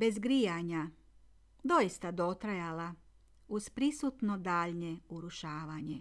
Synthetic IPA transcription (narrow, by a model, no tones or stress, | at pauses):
be̞zɡɾijaɲa | d̪o̞jist̪ad̪o̞t̪ɾajala | uzpɾisut̪nod̪aːʎɲeuɾuʃaːʋaɲe